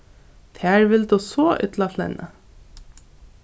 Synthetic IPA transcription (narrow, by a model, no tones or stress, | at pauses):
t̪ʰæːɹʋɪld̪usoːʔʏ̰t̪laflɛ̰nʔə̰